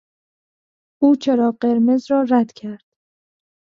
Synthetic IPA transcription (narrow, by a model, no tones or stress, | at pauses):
ʔuːt͡ʃʰeɾɒːɢeɾmezɾɒːɾæd̪cʰæɾd̪̥